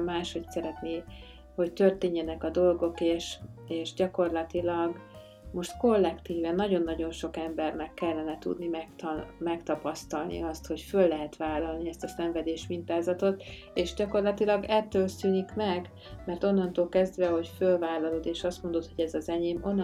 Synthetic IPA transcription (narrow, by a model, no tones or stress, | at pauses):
maːʃho̞csɛɾɛt̪neː | ho̞ct̪ørt̪eːɲːɛnɛkɒd̪o̞lɡo̞keːʃeːʃɟɒko̞rlɒt̪ilɒɡ | mo̞ʃt̪ko̞lːɛkt̪iːvɛnːɒɟo̞nːɒɟo̞nʃo̞kɛmbɛrnɛkːɛlːɛnɛt̪ṵd̪nimɛt̪mɛkt̪ɒpɒst̪ɒlnḭɒst̪ho̞cfølːɛɦɛt̪ʋaːlːɒlniɛst̪ɒsɛɱvɛd̪eːʃmint̪aːzɒt̪o̞t̪ | eːʃɟɒko̞rlɒt̪ilɒɡɛt̪ːøːlsyːnikmɛɡ | mɛrt̪o̞nːɒnt̪oːlkɛzd̪ʋɛɦo̞cfølvaːlːɒlod̪eːʃɒst̪mo̞nd̪o̞t̪ho̞ɟɛzɒzɛɲeːmo̞nː